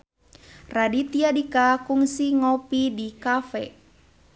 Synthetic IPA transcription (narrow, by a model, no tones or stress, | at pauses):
radit̪iadikakuŋsiŋɔpidikafɛ̰